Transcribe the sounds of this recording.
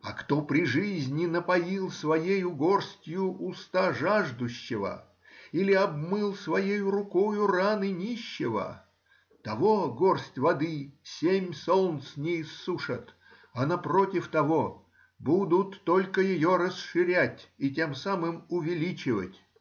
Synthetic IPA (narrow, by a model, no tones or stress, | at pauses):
ɐkt̪opɾʲɪʐɨzʲnʲɪnəpɐjilˠsvɐjejʊɡorsʲtʲjʊʔʊst̪aʐaʐd̪ʊɕːɪvə̰ | ilʲɪɐb̚mɨlˠsvɐjejʊɾʊkojʊranɨnʲiɕːɪvə̰ | t̪ɐvo̞ɡorsʲtʲvɐd̪ɨsʲemʲsolˠnt̪snʲɪɪsːuʂət̪ | ɐnɐprotʲɪft̪ɐvo | bud̪ʊt̪ːo̞lʲkəjɪjo̞ɾəsʂɨɾʲætʲiɪt̬ʲe̞msamɨmʊvʲɪlʲit͡ɕɪvə̰tʲ